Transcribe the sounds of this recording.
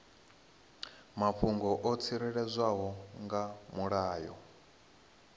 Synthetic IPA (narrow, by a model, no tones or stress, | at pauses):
mapɸʰuŋɡɔʔɔt͡sʰiɾɛɺɛzʷaɦɔŋɡamuɺaːjɔ̰